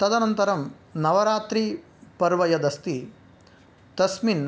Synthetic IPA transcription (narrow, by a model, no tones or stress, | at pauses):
t̪ɐd̪ɐnɐnt̪ɐɾɐm | nɐʋɐɾaːt̪ɾi | pɐɾʋɐjɐd̪ɐst̪i | t̪ɐsmin